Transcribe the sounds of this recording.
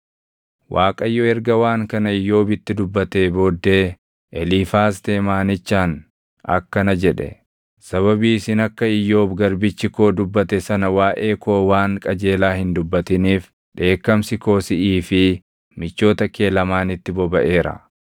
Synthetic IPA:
wʔaːkʼɐjːɔɛɾɡɐwaːŋkɐnɐɪjːo̞ːbɪt̪ːɪd̪ʊbːɐt̪e̞ːbo̞ːd̪ːe̞ː | ʔɛliːfaːs̬t̪eːmaːnɪt͡ʃːaːn | ɐ̰kːɐnɐd͡ʒɛᶑɛ̰ | sɐβɐbiːsɪnɐkːɐɪjːo̞ːbɡɐɾbɪt͡ʃːɪko̞ːd̪ʊbːɐt̪ɛsɐnɐwaːʔe̞ːko̞ːwaːŋkʼɐd͡ʒe̞ːlaːhɪnd̪ʊbːɐt̪ɪniːf | ᶑe̞ːkːɐmsɪko̞ːsɪʔiːfɪ | mɪt͡ʃːo̞ːt̪ɐke̞ːlɐmaːnɪt̪ːɪbɔbɐʔe̞ːɾɐ̰

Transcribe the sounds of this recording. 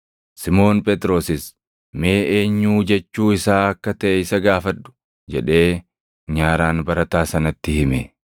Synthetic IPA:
sɪmo̞ːnpʼɛt̪ʼɾo̞ːsɪs | meːʔeːɲːuːd͡ʒɛt͡ʃːuːɪsaːɐkːɐt̪ɐʔɛɪsɐɡaːfɐᶑːʊ̥ | d͡ʒɛᶑe̞ː | ɲaːɾaːnbɐɾɐt̪aːsɐnɐt̪ːɪhɪme

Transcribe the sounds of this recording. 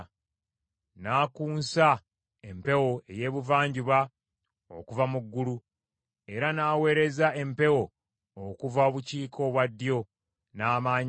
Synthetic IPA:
naːkuːnsa | e̞mpe̞wo̞e̞je̞ːβuvaːɲɟuβa | o̰kuvamuɡːulu | e̞ɾanaːwe̞ːɾe̞zaʔe̞mpe̞wo̞ | okuvao̞βuciːkʰo̞βwadːjo̞ | naːmaːɲ

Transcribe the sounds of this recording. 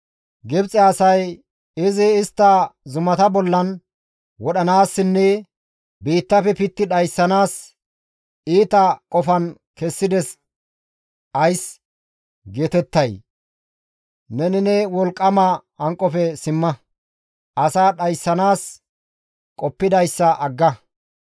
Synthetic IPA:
ɡɪbt͡sʼɛɐsɐj | ɪzɪɪst̪ːɐzʊmɐt̪ɐbɔlːɐn | wɔɗɐnaːsːɪnːɛ | biːt̪ːɐfɛpɪt̪ːɪɗɐjsːɐnaːs | iːt̪ɐkʼɔfɐn | kɛsːɪd̪ɛs | ʔɐjs | ɡeːt̪ɛt̪ːɐj | nɛnɪnɛwɔlkʼːɐmɐ | ɐŋkʼɔfɛsɪmːɐ | ʔɐsaːɗɐjsːɐnaːs | kʼɔpːɪd̪ɐjsːɐʔɐɡːɐ

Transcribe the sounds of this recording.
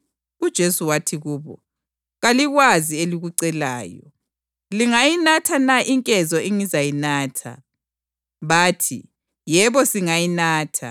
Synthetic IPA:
ud̥ʒ̥ʱesuwatʰiɣuːβɔ̰ | ɣaliɣwazieliɣuǀɛla̰ːjɔ̰ | liŋajinatʰanaʔiŋkʼɛzɔʔiŋizajinaːtʰa̰ | βaːtʰḭ | jɛβɔsiŋajinaːtʰa̰

